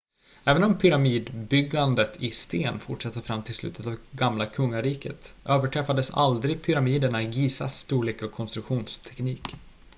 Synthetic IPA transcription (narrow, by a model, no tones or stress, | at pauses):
ɛːvənɔmpʰʏɾamiːd̪bʏɡand̪ət̪ʰɪst̪eːnfʊʈʂɛt̪ːəfɾamːt̪ʰɪlslʉ̰ːt̪ʰət̪avɡamlakʰɵŋːaɾiːkə̰t̪ʔøːvəʈʰɾɛfad̪əsa̰ld̪ɾɪɡpʰʏɾamiːd̪əɳaɪɡiːsa̰st̪uːɭeːkɔkʰɔnst̪ɾɵkɧuːnst̪ʰɛ̥kniːk